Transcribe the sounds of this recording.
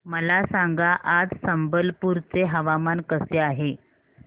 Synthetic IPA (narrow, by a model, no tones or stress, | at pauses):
məlasaŋɡaʔad͡zsəmbəlpuːɾt͡seɦəʋamankəseaɦe